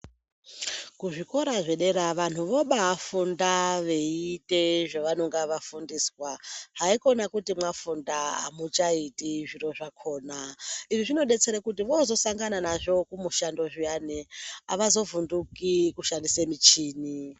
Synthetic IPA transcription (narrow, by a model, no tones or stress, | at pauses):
kuʐiko̞ɾaʐe̞ɗe̞ɾaʋan̤uʋo̞ɓaːfundaʋe̞iiteʐaʋanoŋɡaʋafundiswaɦaiko̞nakutimwafundaa̰mut͡ʃaitiʐiɾo̞ʐakʰo̞ːnaiʐiʐino̞ɗe̞t͡seɾekutiʋo̞zo̞saŋɡananaʐo̞kumuʃando̞ʐijanea̰ʋazo̞vundukikuʃandisemit͡ʃiːni